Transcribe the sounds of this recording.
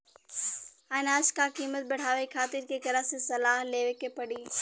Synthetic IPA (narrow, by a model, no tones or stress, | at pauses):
anaːskakiːmət̪̚bɐɽ̤aːʋekʰaːt̪ɪɾkekɐɾasesɐlaːɦleːʋekepɐɽiː